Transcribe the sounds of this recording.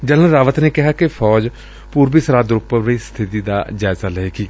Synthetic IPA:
d͡ʒələ̃ɾaːʋət̪neːkɪɦaːkɪpʰɔːd͡ʒ | puːɾbiːsəɾaːd̪ɾʊpːəʋiːst̪ʰɪt̪iːd̪a̰ːd͡ʒaːɪzaːləeːɡiː

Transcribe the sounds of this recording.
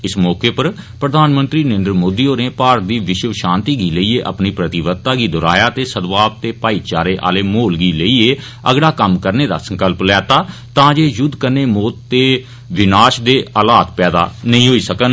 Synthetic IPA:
ɪsmɔːkeːpəɾ | pɾəd̪aːnmə̃nt̪ɾiːnẽːnd̪ɾəmoːd̪iːoːneːpaːɾət̪̚d̪iːʋɪʃəʋʃãːnt̪iːɡiːləiːeːʔə̰pniːpɾət̪ɪʋət̪ːaːɡiːd̪ɔːɾa̰ːjaːt̪eːsəd̪ʋaːp̚t̪eːpaːiːt͡ʃaːɾeːʔa̰ːleːmoːlɡiːləiːeː | əɡɽaːkəmkəɾneːd̪a̰ːsə̃ŋkəlplɛːt̪aːt̪ãːd͡ʒeːjʊd̪kəneːmoːt̪t̪ːeː | ʋɪnaːʃd̪eːʔəlaːt̪pɛːd̪a̰ːnəɦĩːɦoːiːsəkən

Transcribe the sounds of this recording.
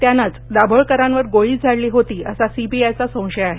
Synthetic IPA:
t̪janːat͡sd̪abʱəɭkəɾãnʋəɾɡoɭiːd͡zʱaɽliːɦot̪iːəsasibiajt͡sasə̃w̃ɕəjaɦe

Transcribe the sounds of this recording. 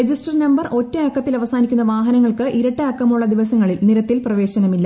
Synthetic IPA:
ed͡ʑisʈɐrnɐmbɐrʔo̞tːɐeːkːɐt̪ːilɐʋɐsaːnikʲːunːɐʋaːɦɐnɐŋːɐɭkɨʔiɾɐʈːaːkːɐmuɭːɐd̪iʋɐs̬ɐŋːɐɭilniɾɐt̪ːilprɐʋe̞ːɕɐnɐmilːɐ

